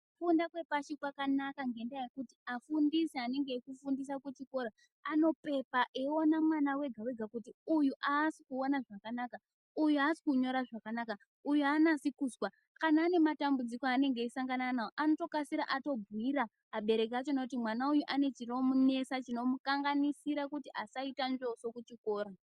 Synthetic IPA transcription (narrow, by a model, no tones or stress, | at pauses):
ufundakwe̞paʃikwakanakaŋɡe̞ndajajekutiafundisiane̞ŋɡe̞ikufundis̬akut͡ʃiko̞ɾa | ano̞pe̞paʔeonamwanawe̞ɡʱawe̞ɡʱakutiujuʔasikuonaʐakanaka | ujuasi̥kuɲo̞ɾaʐakanaka | ujuanasikuːzwa | kanaːne̞matambud͡zikoane̞ŋɡe̞isaŋɡananaoʔano̞to̞kasiɾa̰ʔato̞bʱiɾa | aɓe̞ɾe̞k̬at͡ʃo̞nokut̬imwanaujuʔane̞t͡ʃiro̞mune̞sat͡ʃino̞mukaŋɡanisiɾakutiʔasaitand͡ʒo̞so̞kut͡ʃiko̞ːɾa